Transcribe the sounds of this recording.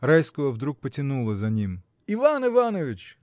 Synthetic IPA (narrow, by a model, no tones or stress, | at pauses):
ɾɑjsʲkɔɦɔwd̪ɾuk̚pɔtʲinulˠɪzɐnʲim | iʋɑnɪʋɑnɔʋʲit͡ʃʲ